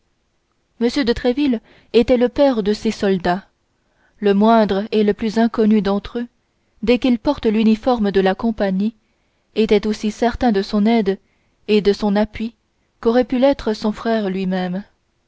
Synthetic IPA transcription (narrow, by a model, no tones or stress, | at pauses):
məsjød̪ət̪χɛvil | et̪ɛləpɛʁd̪əsesɔld̪a | ləmwɛ̃d̪ʁeləplyzɛ̃kɔnyd̪ɑ̃t̪χø | d̪ɛkilpɔʁt̪lynifɔʁmd̪əlakɔ̃paɲi | et̪ɛt̪osisɛʁt̪ɛ̃d̪əsɔ̃nɛd̪ | ed̪əsɔ̃napɥi | kɔʁɛpylɛt̪χəsɔ̃fχɛʁlɥimɛm